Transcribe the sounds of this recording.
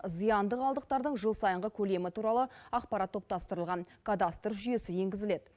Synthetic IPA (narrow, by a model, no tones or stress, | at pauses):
zijɑnd̪əqɑlˠd̪əq̚t̪ɑɾd̪əɴʒəlˠsɑjəɴʁəkʲʰɵle̞mɪt̪ʰuɾɑlˠəɑqpɑɾɑt̪ʰːo̞pt̪ɑst̪əɾəlˠʁɑnkʰad̪ast̪rʒʏje̞sɪje̞ŋɡʲɪzɪle̞d̪